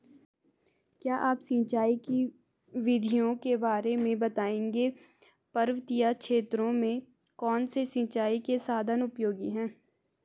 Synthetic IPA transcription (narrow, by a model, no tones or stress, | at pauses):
kjaːʔaːpsĩːt͡ʃaːiki | ʋɪd̪ʱijõkebaːɾemẽbɐt̪aːẽːŋɡe | pɐɾʋət̪ijakʃeːt̪ɾõmẽ | kɔːnsesĩːt͡ʃaːikesaːd̪ʱənʊpjoːɡiɦɛ̃ː